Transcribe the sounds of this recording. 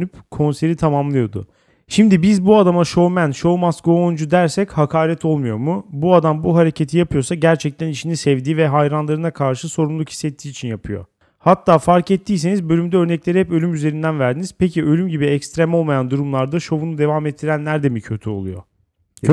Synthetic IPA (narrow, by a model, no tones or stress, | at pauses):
ypkʰo̞nse̞ɾit̪ʰamamlˠɯjo̞d̪ʊ̰ | ʃimd̪ibizbuad̪amaʃo̞vmænʃo̞masɡoond͡ʒud̪æɾsɛchakʰaːɾɛt̪ʰo̞lˠmujo̞ɾmubuad̪ambuɦaɾe̞cʰet̪ʰijapʰɯjo̞saɟæɾt͡ʃʰɛc̚t̪ʰæniʃinisɛvd̪iːvɛɦajɾanlˠaɾɯnakʰaɾʃɯso̞ɾumlˠuki̥sːɛt̪ʰːiːt͡ʃʰinjapʰɯjo̞̰ | hat̪ːaːfaɾkɛt̪ʰːiːs̬e̞nizbø̞lʲymd̪ɛøɾnɛclʲe̞ɾihɛpø̞lʲymyze̞ɾind̪ænvæɾd̪iniz̥pʰeciølʲymɟibiɛcst̪ɾemo̞lˠmajand̪uɾumlˠaɾd̪aʃo̞vunud̪e̞vaːmɛt̪ʰːiɾænlːʲæɾd̪emicʰø̞t̪ʰyo̞̰lˠṵjo̞̰